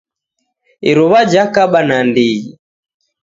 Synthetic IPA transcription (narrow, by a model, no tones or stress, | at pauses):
iɾɔβad͡ʒakaɓanandiji